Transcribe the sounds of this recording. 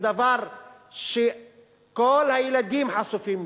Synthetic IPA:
d̪avaɾˤ | ʃe | kolhajelad̪iːmħasufiːm

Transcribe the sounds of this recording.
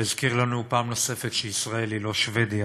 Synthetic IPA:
izkiʁlanupaːmnose̞fetʃeisʁaelilo̞ʃve̞d̪ija

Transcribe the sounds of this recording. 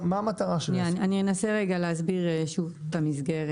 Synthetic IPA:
maːmat̪aʁaʃeniaanienaseʁe̞ɡaleazbiʁʃuvtamizɡe̞ʁe

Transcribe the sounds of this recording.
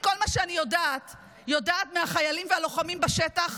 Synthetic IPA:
ko̞lmaʃeanijo̞daːt | jo̞daːtmeaχajalimvealo̞χamimbaʃetaχ

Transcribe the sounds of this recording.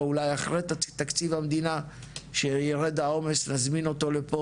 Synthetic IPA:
ulajaχʁet̪at̪akt͡sivhamd̪ina | ʃejeʁed̪ao̞me̞snazmino̞t̪o̞lepo

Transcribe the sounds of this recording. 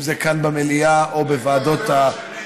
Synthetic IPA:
zekanbameliaʔobevaːdo̞t̪a

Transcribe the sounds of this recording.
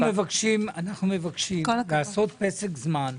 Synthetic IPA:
mevakʃimanaχnumevakʃikollaːsot̪̚pesekzman

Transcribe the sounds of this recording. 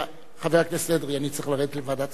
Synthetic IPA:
χaveʁaklesed̪ʁianit͡sʁiχlaʁed̪et̪levad̪at

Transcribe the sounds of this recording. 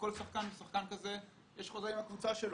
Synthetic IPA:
ko̞lsaχkanbesaχkankaze | jeʃχozimhakvut͡saʃel

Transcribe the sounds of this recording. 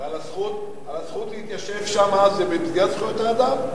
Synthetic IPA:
alasχut̪ | alasχut̪lihit̪jaʃevʃamazebebizɡiat̪sχujot̪eʁad̪am

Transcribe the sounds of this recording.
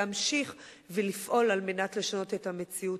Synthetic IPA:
amʃiχ | velifʔo̞lalme̞natle̞ʃano̞te̞tame̞t͡siu

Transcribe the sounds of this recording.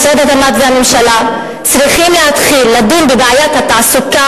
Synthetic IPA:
sed̪et̪amat̪zeamemʃala | t͡sʁiχimleat̪χilːad̪imbebeajathat̪asuka

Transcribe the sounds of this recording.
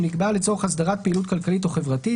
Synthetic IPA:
niɡbalet͡so̞χasd̪aʁat̚peilutkalkalit̬o̞χe̞vʁati

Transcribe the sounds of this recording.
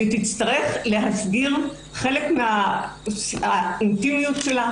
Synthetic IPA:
it̪it͡st̪aʁe̞χle̞ɦasɡiʁ | χe̞lekmea | aint̪imijutʃela

